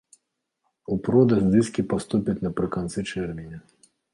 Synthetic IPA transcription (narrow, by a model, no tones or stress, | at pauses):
upɾɔd̪ɐzʲd̪ɨskʲipast̪upʲit̪ʲnɐpɾɨkant̪sɨt͡ʂɛrmʲinʲɐ